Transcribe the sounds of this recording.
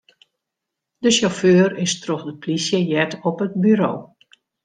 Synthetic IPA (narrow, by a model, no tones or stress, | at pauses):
dəʃoføːrɪstrɔxdəpʰlisjəjɛtɔpət̚byɾo̰ː